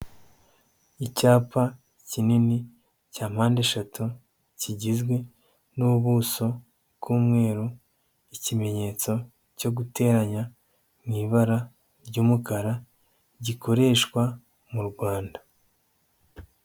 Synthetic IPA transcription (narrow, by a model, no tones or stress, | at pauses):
icaːpa | cinini | caːm̥haːndeʃatu | ciɟizɡwe̞ | nuuβuːso̞ | kʰuːmŋe̞ːɾu | icime̞ɲe̞t͡so̞ | co̞ɡute̞ːɾaɲa | mŋiːβaɾa | ɾɟuːmukaɾa | ɟiko̞ɾe̞ːʃkwa | muɾɡwaːnda